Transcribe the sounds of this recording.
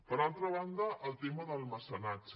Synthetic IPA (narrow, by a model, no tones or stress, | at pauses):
pəɾalˠt̪ɾəβand̪əʔəlˠt̪eməðəlˠməsənad͡ʒ